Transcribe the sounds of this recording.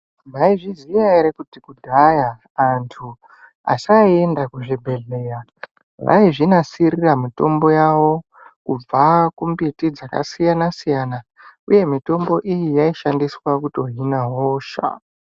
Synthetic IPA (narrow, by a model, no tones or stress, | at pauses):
naiʐizijaiɾekutikudʱajaː | ntʰu | a̰saiendakuʐibʱe̞ɮe̞ja | ʋa̰iʐinasiriramito̞mbo̞jawo̞ | kub͡vakumbitid͡zaka̰sijanasijana | uje̞mito̞mbo̞ʔijijaiʃandiswakuto̞ɦinaɦoːʃa̰